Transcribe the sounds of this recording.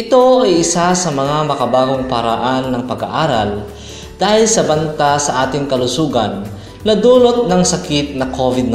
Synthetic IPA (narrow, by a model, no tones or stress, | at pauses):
ʔɪt̪o̞ʔɐjʔɪsasɐmɐŋamɐkɐbaːɡoŋpɐɾa̰ʔanːɐŋpɐɡɐ̰ʔaːɾɐl | d̪̥aːhɪlsɐbɐnt̪asɐʔaːt̪ɪŋkɐlʊsuːɡɐnː | ɐd̪uːlot̪̚nɐŋsɐkɪt̪̚nɐkoːvɪd̪̚n